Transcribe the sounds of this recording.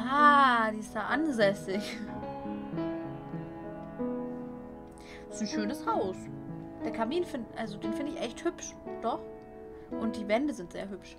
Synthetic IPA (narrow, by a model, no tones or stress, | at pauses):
aːd̥iːɪstj̥aːʔanzɛsɪç | ɪ̥sn̩ʃøːnəshaʊsd̥eːɐkʰamiːnfɪnʔalzodeːnfɪndəɪçʔɛçthʏpʃd̥ɔχ | ʔʊnt̚d̥iːvɛndəzɪntz̥ḛːɐɦʏpʃ